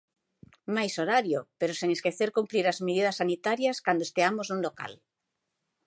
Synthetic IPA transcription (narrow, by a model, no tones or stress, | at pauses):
majsoɾaɾjopeɾoseŋeskeθeɾkumpɾiɾazmeðið̞asːanit̪aɾjaskand̪oest̪eamoznũŋloka̰l